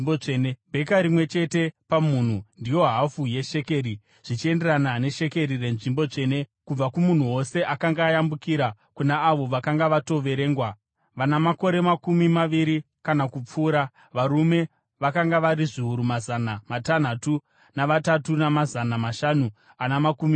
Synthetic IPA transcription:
oenebʱe̞kaɾimwe̞t͡ʃe̞te̞pamun̤undijo̞ɦafuje̞ʃe̞ke̞ɾi | ʐ̥it͡ʃie̞nde̞ranane̞ʃe̞ke̞ɾire̞nʐimbo̞t͡ʂe̞ne̞kub͡vakumun̤uwo̞se̞ʔakaŋɡaːjambukiɾa | kunaːʋo̞ʋakaŋɡaʋato̞ʋe̞ɾe̞ːŋɡwa | ʋanamako̞ɾe̞makumimaʋiɾi | kanakup͡fuːɾa | ʋaɾume̞ | ʋakaŋɡaʋaɾiʐiuɾumazanamatan̤atu | naʋatatunamazanamaʃanu | anamakumi

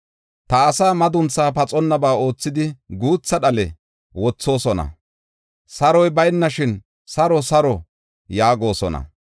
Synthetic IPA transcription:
t̪ɐːsaːmɐd̪ʊnt͡sːaːpɐt͡sʼɔnːɐbaːo̞ːt͡sːɪd̪ɪɡuːt͡sːɐɗɐlɛ | wɔt͡sːo̞ːsɔnɐ̰ | sɐɾɔjbɐjnːɐʃɪn | sɐɾɔsɐɾɔ | jaːɡo̞ːsɔ̰nɐ̰

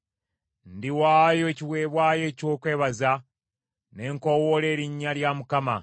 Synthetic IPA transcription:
ndiwaːjo̞eciwe̞ːβwaːje̞ːco̞ːkwe̞ːβaza | ne̞ːŋko̞wole̞ːɾiɲːaljamukama̰

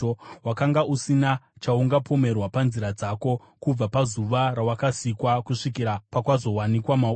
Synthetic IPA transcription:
wakaŋɡaʔusinat͡ʃauŋɡapʰo̞me̞rwapanziɾad͡zako̞ | kub͡vapazuʋaɾawakasikwakuʂik̬iɾapakwazo̞wanikwamau

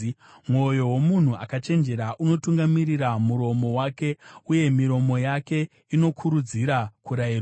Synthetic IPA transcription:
mwo̞jo̞wo̞mun̤uakat͡ʃe̞nd͡ʒe̞ɾaʔuno̞tuŋɡamiriɾamuɾo̞mo̞wake̞uje̞miɾo̞mo̞jake̞ | ino̞kʰuɾud͡ziɾakuɾair

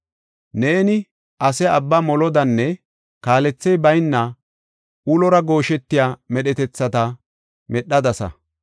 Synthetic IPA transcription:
ne̞ːnɪ | ʔɐsɛɐbːamɔlɔd̪ɐnːɛ | kaːlɛt͡sːɛjbɐjnːɐ | ʊlɔɾɐɡo̞ːʃɛt̪ːɪjaːmɛɗɛt̪ɛt͡sːɐt̪ɐ | mɛɗːɐd̪ɐsɐ̰

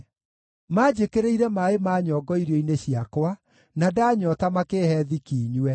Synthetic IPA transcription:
maːd͡ʑekeɾeiɾɛmaemaːɲɔːɡɔiɾjɔineɕiakwa | nadaːɲɔtamakeːhɛðikiːɲwɛ

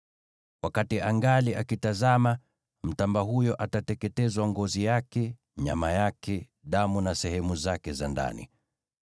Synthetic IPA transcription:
wakatiaŋɡaliʔakitazama | m̩tambaɦujɔʔatatɛkɛtɛzwaŋɡɔzijakɛ | ɲa̰majakʰɛ | ɗamunasɛhɛmuzakɛzanda̰nḭ

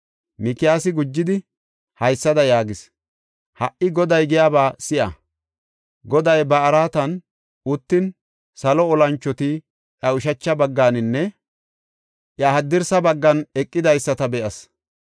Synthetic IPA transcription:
mɪkɪjaːsɪɡʊd͡ʒːɪd̪ɪ | hɐjsːɐd̪ɐjaːɡɪs | hɐʔɪɡɔd̪ɐjɡɪjaːbaːsɪʔɐ̰ | ɡɔd̪ɐjbɐːɾaːt̪ɐn | ʊt̪ːɪn | sɐlɔɔlɐnt͡ʃːɔt̪ɪ | ʔɐʊʃ̬ɐt͡ʃːɐbɐɡːaːnɪnːɛ | ʔjɐhɐd̪ːɪɾsɐbɐɡːɐnɛkʼːɪd̪ɐjsːɐt̪ɐbɛʔɐs

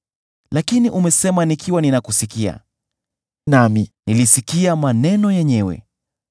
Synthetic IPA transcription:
lakiniʔumɛsɛmanikʰiwaninakusikia̰ | naminilisikiamanɛnɔjɛɲɛwɛ̰

